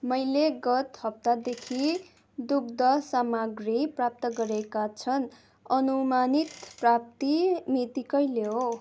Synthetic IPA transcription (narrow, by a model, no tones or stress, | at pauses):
mʌjleɡʌt̪hʌp̚t̪ad̪ekʰi | d̪uɡd̪ʌsamaɡriprap̚t̪ʌɡʌɾekat͡sʰʌn | ʌnumanit̪prap̚t̪imit̪ikʌjleo